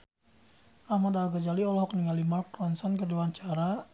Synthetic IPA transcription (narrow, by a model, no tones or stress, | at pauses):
ʔahmadalɡad͡ʒaliɔlɔɦɔkniŋalimalkrɔnsɔnkəduaɲt͡ʃaɾa